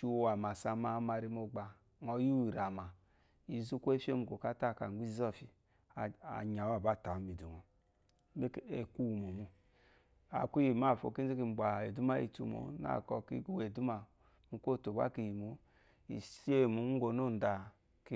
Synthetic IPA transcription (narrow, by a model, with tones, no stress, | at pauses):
u˦˨wa˨ma˨sa˨ma˨˦ma˨ɾi˦mo˨ɡ͡ba˨ | ŋɔ˨ju˦i˨ɾa˨ma˨ | i˨zu˦ko˦e˦fo˦mu˨ko˨ka˦ta˦˨ka˨˦i˦zɔ˦˨fi˨ | a̰˨ɲa˨wa˦˨ba˦˨ta˨˦mi˨du˨ŋɔ˨ | me˦ke˨ku˦˨mu˨mu˨ | a̰˨kʷi˦ji˨ma˦˨fo̰˨ki˦zi˦ki˨m̩˨ɡ͡ba˨e˨du˦ma˦ḭ˨tṵ˨mo̰˨˦na̰˦˨kɔ˨kḭ˦we˨du˦ma˨ | mu˦ko˦˨to˨ba̰˦ki˨ji˨mo˨ | ḭ˨si˦e˦˨mu˨˦ŋ̩˦ɡo˨no˦˨n̩˨da˨ | k